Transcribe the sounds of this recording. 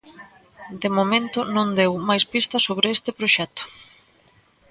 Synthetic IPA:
d̪emomẽnt̪ʊnõnd̪ewmajspist̪ɐsoβɾeest̪ɪpɾoʃɛt̪ʊ̥

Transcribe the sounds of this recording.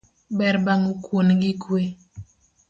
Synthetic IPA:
bɛɾbaŋukwonɡikwe

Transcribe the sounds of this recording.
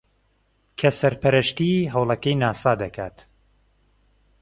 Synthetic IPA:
kʰɐsɐɾpɐɾɐʃt̪iɦɐwlˠɐkɐjnaːsaːd̪ɐkʰaːt̪

